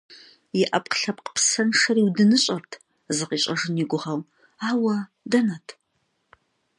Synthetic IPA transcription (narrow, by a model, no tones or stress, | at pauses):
jɪʔɐpqɬɐpqpʰsɐnʂɐriwdɨnɨɕʼɐrtʰ | zɨqiɕʼɐʐɨniɡʷʊʁɐw | aːwɐ | dɐnɐtʰ